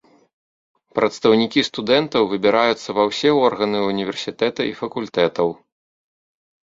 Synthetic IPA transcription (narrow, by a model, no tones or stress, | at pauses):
pɾɐt̪st̪ɐwnʲikʲist̪ud̪ɛnt̪ɐwvɨbʲiɾajut̪sːɐvɐwsʲɛɔrɣɐnɨunʲivʲɛrsʲit̪ɛt̪ɐifɐkulʲt̪ɛt̪ɐw